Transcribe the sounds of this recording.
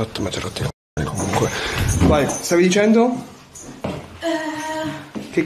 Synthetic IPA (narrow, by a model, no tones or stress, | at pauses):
at̪ːəmat̪eɾat̪ːik | nḭkomuuŋkwebajst̪avid̪it͡ʃɛnd̪o | k̟e